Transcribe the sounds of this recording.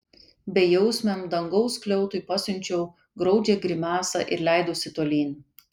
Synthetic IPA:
bʲɛjɛʊsʲmʲɛmd̪ɐŋɡɒʊsklʲɛʊt̪ʊɪpɑsʲʊnʲt͡ʃʲɛʊ | ɡɾɒʊd͡ʒʲeːɡɾʲɪmʲæːsɐ̰ʔɪ̰ɾlʲæˑɪd̪oːsʲɪt̪oːlʲiːnʲ

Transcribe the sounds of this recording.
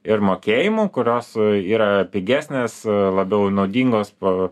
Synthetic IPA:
ɪɾmoːkʲeːjɪmuːkʊɾʲoːsiːɾɐpʲɪɡʲæːsʲnʲeːslˠɐbʲɛʊnɐʊd̪ʲiːŋɡoːspɐ

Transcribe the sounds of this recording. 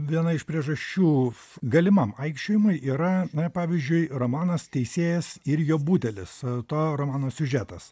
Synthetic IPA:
ʋʲiɛnɐɪʃpʲɾʲiɛʒɐʃʲt͡ʃʲuː | ɡɐlʲɪmɐmɐɪkʃʲt͡ʃʲoːjɪmʊɪʔiːɾɐnɐpɑːʋʲizʲd͡ʒʲʊɪromɑːnɐst̪ʲɛɪsʲeːjɛsɪɾjoːbuːt̪ʲɛlʲɪst̪oːɾomɑːnoːsʲʊʒʲæːt̪ɐs

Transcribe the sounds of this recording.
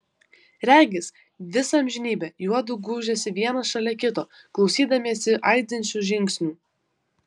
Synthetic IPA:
ɾʲæːɡʲɪs | ʋʲɪsɐmʲʒʲɪnʲiːbʲɛjuɔd̪ʊɡuːʒʲɛsʲɪʋʲiɛnɐʃɐlʲɛkʲɪt̪oː | klˠɒʊsʲiːd̪ɐmʲiɛsʲɪʔɐɪd̪ʲɪnʲt͡ʃʲuːʒʲɪŋʲksʲnʲuː

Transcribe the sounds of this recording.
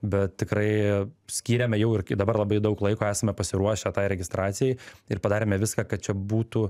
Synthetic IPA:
bʲɛt̪̚t̪ʲɪkɾɐɪsʲkʲiːɾʲɛmʲɛjɛʊɪrd̪ɐbɐrlˠɐbɐɪd̪ɐʊklˠɐɪkoːæːsɐmʲɛpɐsʲɪɾuɔʃʲɛt̪ɑɪɾʲɛɡʲɪst̪ɾɑːt̪sʲɪjɛɪɪrpɐd̪ɑːɾʲeːmʲɛʋʲɪskɑːkɐt̪̚t͡ʃʲɛbuːt̪u

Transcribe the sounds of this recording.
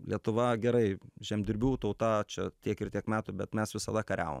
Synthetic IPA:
lʲiɛt̪ʊʋɐɡʲɛɾɐɪʒʲɛmʲd̪ʲɪɾʲbʲuːt̪ɐʊt̪ɐt͡ʃʲɛt̪ʲiɛkɪɾt̪ʲiɛkmʲæːt̪ʊbʲɛt̪mʲɛsʋʲɪsɐd̪ɐkɐɾʲæ̰ːʋo̰m

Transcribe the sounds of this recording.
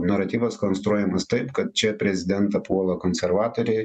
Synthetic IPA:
nɐɾɐt̪ʲiːʋoskonst̪ɾuɔjɛmɐst̪ɐɪpkɐt̪̚t͡ʃʲɛpʲɾʲɛzʲɪd̪ʲɛnt̪ɐpuɔlˠɐkonʲsʲɛɾʋɑːt̪oːɾʲɛɪ

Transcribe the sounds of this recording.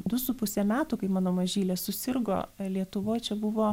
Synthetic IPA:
d̪ʊsʊpʊsʲemʲæːt̪ʊkɐɪmɑːnoːmɐʒʲiːlʲɛsʊsʲɪrɡo̰ːlʲiɛt̪ʊʋoːjt͡ʃʲɛbʊʋoː

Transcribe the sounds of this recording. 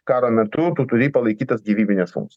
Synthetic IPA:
kɑːɾoːmʲɛt̪ʊt̪uːt̪ʊɾʲiːpɐlˠɐɪkʲiːt̪ɐsɡʲiːʋʲiːbʲɪnʲɛsfʊ̰ŋkt͡s̪ʲ

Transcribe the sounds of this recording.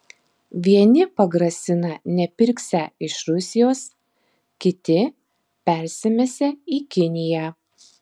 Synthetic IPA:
ʋʲiɛnʲɪpɐɡɾɐsʲɪnɐnʲɛpʲɪɾʲksʲæɪʃɾʊsʲɪjoːs | kʲɪt̪ʲɪ | pʲɛˑɾʲsʲɪmʲeːsʲɛiːkʲɪnʲɪjæː

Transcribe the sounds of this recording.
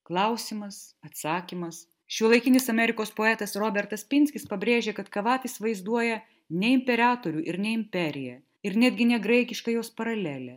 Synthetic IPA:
klˠɐʊsʲɪmɐsɐt̪sɑːkʲimɐs | ʃʲuɔlˠɐɪkʲɪnʲɪsɐmʲɛɾʲɪkoːspoːɛːt̪ɐsɾoːbʲɛɾt̪ɐspʲɪnʲsʲkʲɪspɐbʲɾʲeːʒʲeːkɐt̪kɐʋɑːt̪ɪsʋɐɪzd̪uɔjɛ | nʲɛɪmʲpʲɛɾɑːt̪oːɾʲuːʔɪɾnʲɛɪmʲpʲɛɾʲɪjɛ | ɪɾnʲæːd̪ʲɡʲɪnʲɛɡɾɐɪkʲɪʃkɐjoːspɐɾɐlʲæːlʲɛ

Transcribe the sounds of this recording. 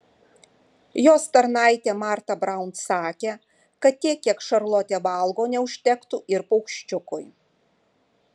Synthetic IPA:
joːst̪ɐɾnɑˑɪt̪ʲeːmɑˑɾt̪ɐbɾɑˑʊnt̪sɑːkʲeː | kɐt̪t̪ʲiɛkʲːiɛkʃɐɾlˠoːt̪ʲeːʋɐlˠɡoːnʲɛʊʃʲt̪ʲɛkt̪uɪɾpɔʊkʃʲt͡ʃʲʊkʊj

